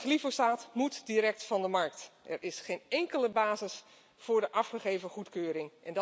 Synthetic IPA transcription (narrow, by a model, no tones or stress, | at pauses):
xlifosaːtmutdiɾɛk̚tfɑndəmɑɹk̚tʔɛrʔɪsχejnɛŋkələbaːzɪs | fʊːɹdəʔɑfχəχeːvəχutkøːɾɪŋʔɛnd